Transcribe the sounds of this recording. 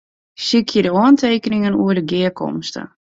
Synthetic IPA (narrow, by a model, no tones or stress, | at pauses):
sikʰjədəɔəntʰejkənɪŋənṵərdəɡɪəkʰɔ̰mstə̰